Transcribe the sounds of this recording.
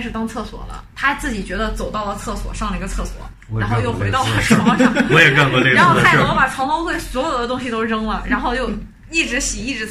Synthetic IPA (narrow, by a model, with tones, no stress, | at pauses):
ʂɻ̩˥˩t̪ɑ˥ŋt͡sʰɤ˥˩swɔ̰˨˩lə̰˦t̪ʰa˥t͡sɹ̩˥˩t͡ɕi˨˩t͡ɕɥɛ˧˥d̪ə˧t͡so˨˩ʊt̪ɑ˥˩ʊlə˩t͡sʰɤ˥˩swɔ̰˨˩ʂɑ˥˩ŋlə˩i˧˥ɡə˧t͡sʰɤ˥˩swɔ̰˨˩˦ | ɻa˧˥nxo˥˧jo˥˩ʊxwe˥ɪtɑ˥˧ʊta˥ʂɻɔ˥˩˥ɑ˥˩wɔ˧˥jɛ˨˩ka˥˧kwɔ˧˥le˥˩˥n˥xo˥˧a˥˩˥a˨˩ʈ͡ʂʰɑ˧˥ŋpɑ˥xwe˥˩ɪswɔ˧˥jo˨˩ʊd̪ə˦t̪ʊ˥ŋɕi˨˩t̪o˥˧ʈ͡ʂɤ˥ŋlə˨ɻʔa˧˥nxo˥˧ʊjo˥˧ʊ | i˥˩ʈ͡ʂɻ̩˧˥ɕi˨˩i˥˩ʈ͡ʂɻ̩˧˥